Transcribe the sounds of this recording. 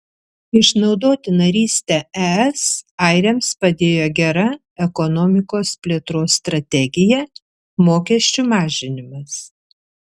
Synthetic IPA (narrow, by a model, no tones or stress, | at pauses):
ɪʃnɒʊd̪oːt̪ʲɪnɐɾʲiːsʲt̪ʲɛɛɛsɐɪɾʲɛmspɐd̪ʲeːjoːɡʲɛɾɐ | ɛkɔnɔːmʲɪkoːspʲlʲeːt̪ɾoːsːt̪ɾɐt̪ʲɛɡʲɪjɛ | moːkʲɛʃʲt͡ʃʲumɑːʒʲɪnʲɪmɐs